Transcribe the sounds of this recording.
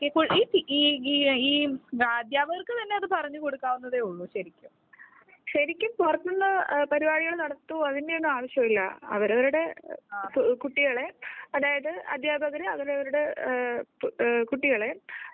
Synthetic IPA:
okekuiːt̪iiːiːiːɐd̪jaːbʱɐɣɐrkːɨt̪ɐnːe̞ɐðɨpɐrɐɲːɨko̞ɽukːaːʋunːɐðeːuɭːuɕɐɾikʲːum | ɕɐɾikʲːumpurɐt̪ːuɭːɐpɐɾibaːɽiɣɐɭnɐɽɐt̪ːuɐðinde̞oɳːuaːʋɐɕjɐmilːɐ̰ɐ̰ʋɐɾɐʋɐɾuɽe̞ | kuʈːiɣɐɭe̞ɐðaːjɐðɨɐ̰d̪ʱjaːbʱɐɣɐɾiɐ̰ʋɐɾɐʋɐɾuɽe̞ | kuʈːiɣɐɭe̞

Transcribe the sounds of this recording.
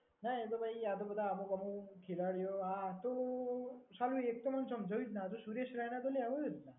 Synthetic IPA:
naet̪obʱaiat̪obəd̪ʱaːmokəmũkʰilaɭjoat̪o | salũek̚t̪omənsəmd͡ʑaut̪nat̪osuɾeɕɾañat̪oleaʋojet̪na

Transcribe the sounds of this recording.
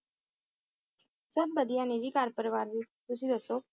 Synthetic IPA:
səbːəd̪ijãːned͡ʒiːkaːɾpəɾəʋaːɾd͡ʒiː | t̪ʊsĩd̪əsːoː

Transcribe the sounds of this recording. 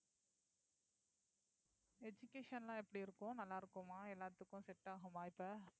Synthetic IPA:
ɛd͡ʒʊkːeːʂɐnɐlãːɛpːɐɽiɪɾɯkːʊ̃nɐlːaːɪɾɯkːɯmaːɛlːaːt̪ːɯkːʊ̃sɛʈːaːɣɯmaːɪpːɐ

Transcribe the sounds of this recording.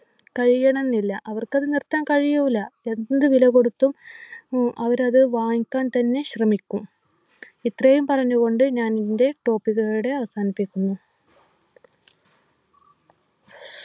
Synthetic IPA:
kɐɻijɐɳɐnːilːɐʔɐʋɐrkɐðɨnirt̪ːaːnkɐɻijuʋilːɐe̞nnd̪ɨʋilɐɣo̞ɽut̪ːum | ʔɐʋɐɾɐðɨʋaːŋikʲːaːnt̪ɐnːe̞ɕrɐmikʲːum | it̪rejumpɐrɐɲːuɣo̞ɳɖɨɲaːnnde̞ʈo̞ːpːiɣɐɭuɽe̞ɐʋɐsaːnipːikʲːunːu

